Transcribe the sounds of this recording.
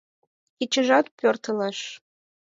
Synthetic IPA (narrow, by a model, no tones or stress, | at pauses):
it͡ɕə̆ʒɑt̪̚pʲørt̪ə̆leʃ